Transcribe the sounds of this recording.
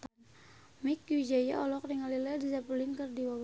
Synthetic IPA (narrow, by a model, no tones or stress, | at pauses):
t̪an | mikjud͡ʒaja̰ɔlɔkɾiŋalilɛdizapuliŋkərdiwab